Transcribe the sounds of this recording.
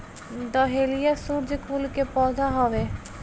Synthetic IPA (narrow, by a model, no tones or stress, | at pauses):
d̪ɔɦelijasuɾd͡ʒkulkepɔd̪ʱaɦɔʋe